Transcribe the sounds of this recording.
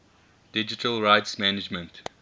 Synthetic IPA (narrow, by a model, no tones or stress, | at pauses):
d̥ɪd͡ʒɪtʰəlɹaɪtsmænɪd͡ʒmə̃nt